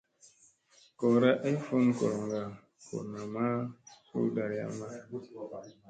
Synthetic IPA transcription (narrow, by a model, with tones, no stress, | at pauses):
ko˨ɾa˦ʔe˦fu˦nko˨ɾo˨ŋɡa˨ | ko̰˨na˨ma˦kṵ˦da˨ɾja̰˦ma˦